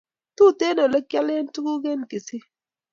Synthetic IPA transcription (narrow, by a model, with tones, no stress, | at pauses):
tu˦˨te˦no˨le˦kja˦le˦n˦tu˦ɡu˦ɡe˦nke˨sɪ˦